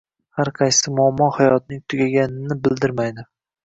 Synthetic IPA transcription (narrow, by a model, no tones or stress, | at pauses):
haɾqʰɑjsɪmʊamːɒhajɒt̪̚nɪŋt̪ʰʊɡʲaɡʲanɪnɪbɪld̪ɪɾmajd̪ɪ